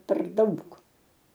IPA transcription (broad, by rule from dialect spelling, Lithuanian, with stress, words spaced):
pʲɛr ˈdɐʊk